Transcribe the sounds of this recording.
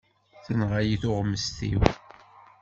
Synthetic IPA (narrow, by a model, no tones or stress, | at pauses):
θənʁajiθʊʁməst̪ḭw